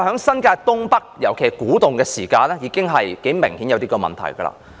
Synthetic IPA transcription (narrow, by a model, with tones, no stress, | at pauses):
hœː˨˥ŋsɐ˥nkaː˧jt̪ʊ˥ŋpɐ˥k̚jɐ˨˩wkʰe˨˩jkuː˨˥t̪ʊ˨ŋkɛː˧siː˨˩kaː˧nɛː˥jiː˨˧kɪ˥ŋɦɐ˨jke˨˥jmɪ˨˩ŋhiː˨˥jwt̪iː˥kɔː˧mɐ̰˨nt̪ʰɐ̰˨˩jɡɐ̰˧la̰ː˧˥